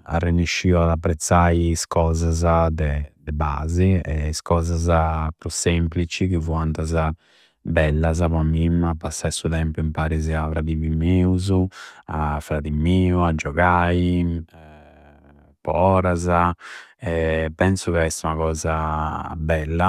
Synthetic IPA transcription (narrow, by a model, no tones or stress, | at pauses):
a̰rːenːiʃːiuad̪apːɾɛt̪sːajiskɔːzazad̪ɛd̪ɛba̰ːziɛskɔːzazapɾusɛmplit͡ʃikivuant̪aza | bɛlːaz̬apamːimapːasːaisut̪ɛmpuimpaɾiziavɾaðivimeːuzuafːɾaðimiːuad͡ʒɔɣaːi | pɔ̰ɔːɾazaɛpːɛnsukaɛst̪aunakɔːzabɛlːa